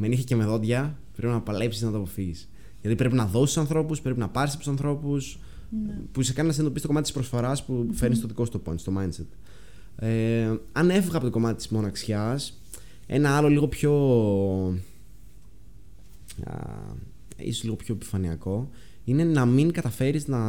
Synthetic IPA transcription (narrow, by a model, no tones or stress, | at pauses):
me̞niθecemeðo̞dʝɐ | pɾepinɐpɐle̞psiznɐt̪ɐpofis | ʝɐt̪ipɾe̞p̬inɐðo̞st̪usɐnθɾo̞puspɾe̞p̬inɐpɐɾsɐpt̪u̥sɐnθɾo̞pus | puisekɐninɐs̬nend̪oistoo̞mɐt̪ispɾosfo̞ɾɐspufeɾnist̪oðiko̞st̪oponst̪o̞mɐjnset̪ | eɐne̞fiɣɐpo̞t̪ɡo̞mɐt̪it̪i̥zmo̞nɐksçɐs | e̞̰nɐɐlo̞liɣo̞pço̞ | ḭsozliɣopço̞epi̥fɐniɐko̞ | ine̞nɐmiŋkɐt̪ɐfe̞ɾiznɐ